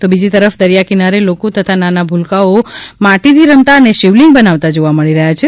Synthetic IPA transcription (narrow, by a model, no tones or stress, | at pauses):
t̪obid͡ʒit̪əɾəfd̪əɾjakinaɾelokot̪ət̪ʰananabʱulkaomaʈid̪ʱiɾəmt̪aəneʃiʋliŋɡbənaʋt̪ad͡ʒoʋaməɭiɾəɦjat͡ʃʰe